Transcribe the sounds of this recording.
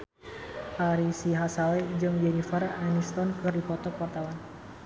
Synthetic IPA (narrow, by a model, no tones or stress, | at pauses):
ʔaɾisiɦasalɛd͡ʒɨŋjɛnifaɾaʔanist̪ɔnkɨrdipɔt̪ɔpɔrt̪awan